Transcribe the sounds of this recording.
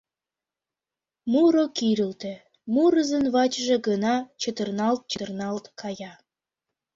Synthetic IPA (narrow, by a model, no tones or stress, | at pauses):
muɾokiɾəlt̪ĕ | muɾəzənβɑt͡ɕʒĕɡənɑt͡ɕət̪ərnɑlt̪̚t͡ɕət̪rnɑlt̪kʰɑjɑ